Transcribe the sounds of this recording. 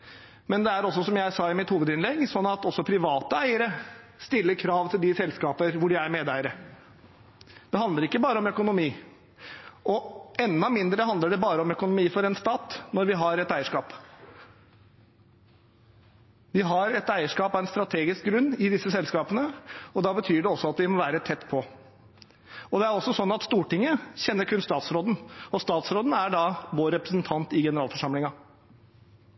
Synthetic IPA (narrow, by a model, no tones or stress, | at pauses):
mɛnd̪ɛæɾɔs̬ːɔsɔmjæɪsɑːɪmɪt̪huːʋəd̪ɪnlɛɡsɔnːɑt̪ɔsːɔpʰɾɪʋɑːt̪əæɪəɾəst̪ɪlːəɾkʰɾɑːʋt̪ʰɪld̪ɪsɛlskɑːpəɾʋʊɖɪæɾmeːd̪æɪəɾə | d̪̥ɛɦɑnd̪ləɾɪkːəbɑːɾəɔmœkʊnʊmiː | ʔɔɛnːɑmɪnd̪ɾəɦɑnd̪ləɖɛbɑːɾəɔmœkʊnʊmiːfɔɾɛnst̪ɑːt̪nɔɾʋɪɦɑɾɛt̪æɪəʂkɑːp | ʋɪɦɑɾɛt̪æɪəʂkɑːpɑɛnst̪ɾɑt̪ʰeːɡɪsk̚ɡɾʉnːɪd̪ɪsːəsɛlskɑːpənəɔd̪ɑːbət̪ʰyːɖɛɔsːɔɑt̪ʋɪmɔʋæːɾət̪ʰɛt̪ːpʰɔ | ɔd̪ɛæɾɔsːɔsɔnːɑt̪st̪uːʈɪŋːəçɛnːəɾkʰʉnst̪ɑːt̪sɾoːd̪n̩ɔst̪ɑːt̪sɾoːd̪n̩æɖɑːʋoːɾɛpɾəsnt̪ʰɑnt̪ɪɡɛnəɾɑːlfɔʂɑmlɪŋɑ